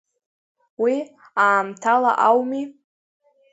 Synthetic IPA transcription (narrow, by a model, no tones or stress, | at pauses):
wi | aːmtʰala̰ʔawmi